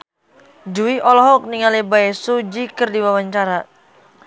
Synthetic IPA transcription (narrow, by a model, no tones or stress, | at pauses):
duwiʔɔlɔɦɔk̚niŋalebaesud͡ʒikɨrdiwawaɲt͡ʃaɾa